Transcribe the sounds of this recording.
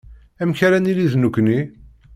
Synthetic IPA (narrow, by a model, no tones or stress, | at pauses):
æmçaɾæniliðnukʷːni